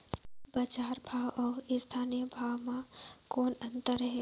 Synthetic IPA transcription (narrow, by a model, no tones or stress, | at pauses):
bəd͡ʒaːɾbʱaːwɔːɾɪst̪ʰaːnijəbʱaːwmãkɔːnə̃nt̪əɾəɦe